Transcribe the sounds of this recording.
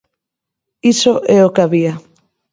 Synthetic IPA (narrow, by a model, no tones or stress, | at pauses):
isoʔɛokaβia